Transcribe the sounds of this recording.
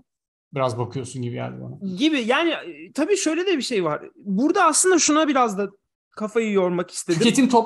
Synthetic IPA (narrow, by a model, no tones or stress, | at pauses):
biɾazbakʰɯjo̞sunɟibijæ̰ɾd̪ɛ̰bo̰naɟibijaːnɪt̪ʰabiːʃø̞jlʲed̪ɛbiʃe̞jvaɾ̥buɾd̪aːslˠɯnd̪aʃunabiɾazd̪a | kʰafajɯjo̞ɾmaki̥st̪ʰeiet̪ʰint̪ʰop